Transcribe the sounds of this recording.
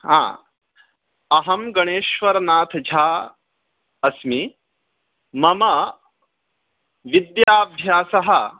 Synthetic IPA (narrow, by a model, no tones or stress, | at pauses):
ɦã̰ː | ɐɦɐmɡɐɽ̃eːʃʋɐɾnaːt̪ʰd͡ʒʱaː | ɐsmi | mɐmɐ | ʋid̪jaːbʱjaːsɐɦɐ